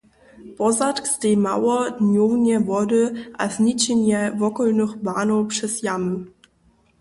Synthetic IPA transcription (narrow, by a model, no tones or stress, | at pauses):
pɔzatkstemawɔdnjownjɛvɔdəʔa̰znit͡ɕɛnjɛvɔkɔlnəxbaːnopʂɛsjamə